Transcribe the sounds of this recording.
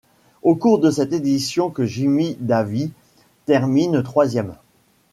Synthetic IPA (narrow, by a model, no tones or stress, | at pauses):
okuʁd̪əsɛt̪ed̪isjɔ̃kəʒimid̪avi | t̪ɛʁmint̪χwazjɛm